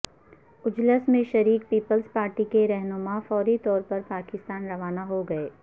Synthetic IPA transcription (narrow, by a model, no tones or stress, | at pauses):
ʊd͡ʒləsmẽʃɐɾiːk̚piːpəlzpaːɾʈikeɾɛɦnʊmafɔːɾit̪ɔːɾpɐɾpaːkɪst̪aːnɾɐʋaːnaɦoɡɐeː